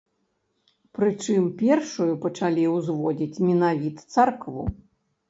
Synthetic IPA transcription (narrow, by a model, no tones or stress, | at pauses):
pɾɨt͡ʂɨmpʲɛrʂujupɐt͡ʂalʲiwzvɔd͡zʲit͡sʲmʲinavʲit̪t̪sarkvṵ